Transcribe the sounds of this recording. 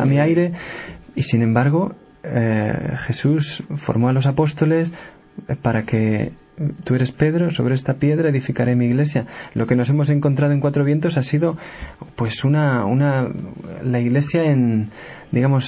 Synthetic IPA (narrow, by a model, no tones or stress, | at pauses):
a̰miajɾe̞isinẽmbaɾɣ̞o̞ | xe̞susfo̞̰ɾmo̞alo̞sapo̞st̪o̞le̞s | paɾake̞ | t̪ue̞ɾe̞spe̞ðɾo̞so̞β̞ɾeest̪apje̞ðɾae̞ðifikaɾe̞miːɣle̞sjalʔoke̞no̞s̬e̞mo̞s̬e̞ŋko̞nt̪ɾaðoe̞ŋkwat̪ɾo̞βje̞nt̪o̞sasiðo̞pwe̞sunaṵna | laiɣle̞sjaen | d̪iɣamo̞s